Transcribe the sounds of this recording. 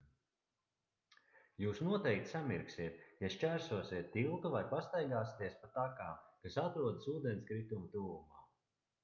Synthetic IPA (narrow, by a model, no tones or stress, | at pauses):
juːsnuɔt̪ɛjk̚t̪ʲsamiɾksiɛt̪jaʃt͡ʃæɾsuɔsʲiɛt̪ʲːilˠkuvajpast̪ajɡaːsi̥t̪iɛspat̪akaːmkasat̪ɾuɔd̪ɨsuːd̪ɛnskɾit̪umt̪uːvumaː